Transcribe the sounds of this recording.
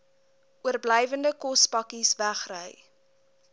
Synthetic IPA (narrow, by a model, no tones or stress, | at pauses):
uərblɛjvəndəkɔspɐkisvæχrəj